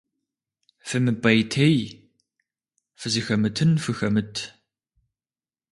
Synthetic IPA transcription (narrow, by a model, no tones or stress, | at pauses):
fɨmɨpʼɐjtʰej | fɨzɨxɐmɨtʰɨnfɨxɐmɨtʰ